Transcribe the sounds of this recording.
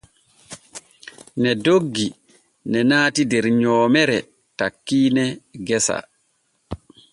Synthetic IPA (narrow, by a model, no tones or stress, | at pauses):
nɛdoɡːi | nɛnaːtidɛɾɲɔːmɛɾɛ | takːiːnɛɡɛsa̰